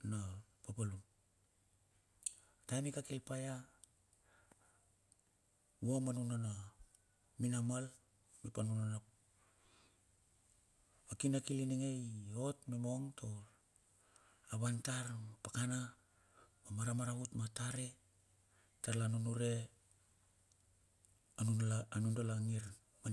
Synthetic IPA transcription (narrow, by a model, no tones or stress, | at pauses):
napapalum | tamikakilpaja | womanunana | minamal | mipanunana | akinakiliniŋejotmemo̞ŋtʰo̞ | aβantaɾmapakana | mamaɾamaɾaβutmataɾe̞ | taɾlanunuɾe̞ | anuanundalaŋiɾ | ma